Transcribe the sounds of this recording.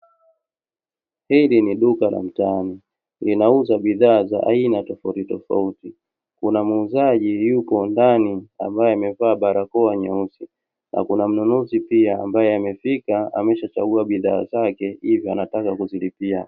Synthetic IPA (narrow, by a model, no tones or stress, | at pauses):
hiliniɗukala̰m̩tani | linauzaɓiðaːza̰ʔa̰inatɔfautitɔfa̰uti | kunamuzaʄijupɔndania̰mbajɛamɛvaːɓaɾakɔaɲausi | nʔa̰kunam̩nunuzipiaambajɛamɛfikaa̰mɛʃat͡ʃaɡuaɓiðaːzakɛhivjɔanatakakuzilipia